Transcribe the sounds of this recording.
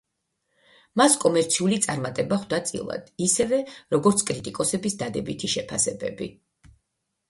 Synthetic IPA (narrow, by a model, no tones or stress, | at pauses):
maskʼɔmɛɾt̪sʰiulit̪sʼaɾmat̪ʼɛbaχwd̪at̪sʼḭlˠa̰d̪̥isɛvɛɾɔɡɔɾt̪sʰkʼɾit̪ʼikʼɔsɛbisd̪ad̪ɛbit̪ʰiʃɛpʰasɛbɛbi